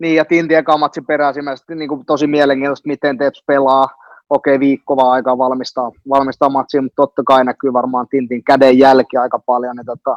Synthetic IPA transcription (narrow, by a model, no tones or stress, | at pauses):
niːjɑt̪int̪iekɑmːɑt̪siperæːsimæst̪niːŋkut̪osimiɛleŋkiːnt̪ost̪mit̪ent̪eːt̪spelɑː | oˑkeːʋiːkːoʋɑɑikɑːʋɑlmist̪ɑːʋɑlmist̪ɑːmɑt̪siːmut̪t̪ot̪ːɑkɑinækyːʋɑrmɑːnt̪int̪iŋkædejjælkiɑikɑpɑljonit̪ot̪ːɑ